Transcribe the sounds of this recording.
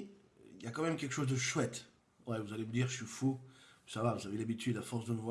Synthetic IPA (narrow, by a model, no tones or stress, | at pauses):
iljakɑ̃mɛmkʲɛlkə̥ʃozd̪əʃwɛt̪ | wɛvuzaleməd̪iʁʃɥifusavavuzavelabit̪yd̪afɔʁsd̪əməvw